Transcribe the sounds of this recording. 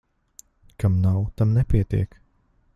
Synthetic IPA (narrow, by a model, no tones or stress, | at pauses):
kʰamnawt̪amnɛpʲiɛt̪ḭɛk